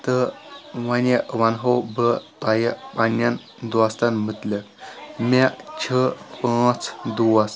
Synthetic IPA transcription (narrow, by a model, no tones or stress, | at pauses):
t̪əʋanjəʋanɦowbət̪ajəpanːan | d̪ast̪anm̤ət̪ləkmat͡ɕʰəpãt͡sd̪uas